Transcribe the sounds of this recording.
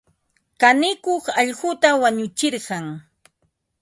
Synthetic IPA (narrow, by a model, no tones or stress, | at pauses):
kanɪkoχɑʎɢʊt̪awaɲʊt͡ʃɪɾɢɑŋ